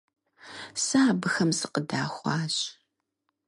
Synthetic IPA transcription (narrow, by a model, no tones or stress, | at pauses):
sɨaːbɨxɐmsɨqədaːxʷɑːɕ